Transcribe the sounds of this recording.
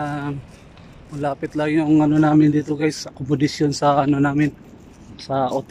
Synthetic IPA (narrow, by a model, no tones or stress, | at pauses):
a | mɐlaːpɪt̪lɐŋjʊŋɐnonaːmɪnd̪iːt̪okajsɐkʊmʊd̪ɪsjonsɐɐnonaːmɪn | sɐʔot̪